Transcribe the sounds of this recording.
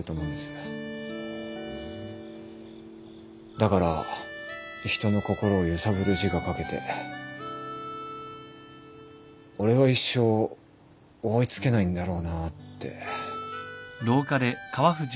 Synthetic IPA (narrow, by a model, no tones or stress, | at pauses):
ɯt̪o̞ːmo̞ɯ̃nd̪esɨ̥ | d̪akaɾa | çi̥t̪o̞no̞ko̞ko̞ɾo̞ːjɯ̟saβɯ̟ɾɯ̟ʑiɡakake̞t̪e̞̰ | o̞ɾe̞βaiɕːo̞ | oit͡sɨ̥ke̞naĩnd̪aɾo̞ːnat̪ːe̞̰ | d̪o̞ːkad̪e̞kaβaɸɯ̟ʑ